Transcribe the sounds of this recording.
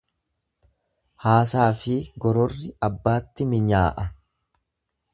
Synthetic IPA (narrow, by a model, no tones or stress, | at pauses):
haːsaːfɪɡɔɾɔrːɪɐbːaːt̪ːɪmɪɲaːʔɐ